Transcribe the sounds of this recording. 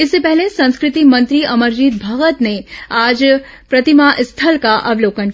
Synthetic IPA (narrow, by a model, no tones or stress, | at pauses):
ɪsːepɛɦlesɐ̃nskɾɪt̪imɐ̃nt̪ɾiʔɐməɾd͡ʒiːd̪̚bʱaːɣət̪neaːd͡ʒ | pɾɐt̪imaʔɪst̪ʰəlkaʔɐ̰ʋloːkən